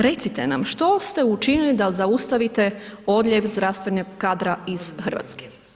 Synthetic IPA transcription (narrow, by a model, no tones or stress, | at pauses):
ɾe̞t̪sit̪enamʃt̪o̞st̪e̞ut͡ʃinilid̪azaust̪aʋit̪e̞o̞d̪lʎʲeʋzd̪ɾast̪ʋenoɡkad̪ɾaiz̥xrʋa̰t̪ske̥